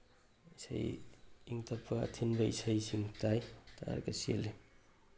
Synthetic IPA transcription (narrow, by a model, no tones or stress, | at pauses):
isa̰jiŋtʰɐpʰːɐɐ̰tʰinbɐḭsajsiŋtajtʰaa̰ɾkɐsiḛle